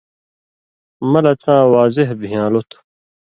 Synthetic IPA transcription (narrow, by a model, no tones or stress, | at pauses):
mɐlɐt͡sʰãːwaːzeɦbijãːlut̪ʰu̥